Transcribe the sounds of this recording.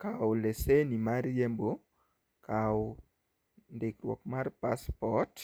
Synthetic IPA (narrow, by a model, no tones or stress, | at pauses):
kawlesenimaɾjembo | kʰaw | ndɪkɾwɔ̰kmarpaspɔt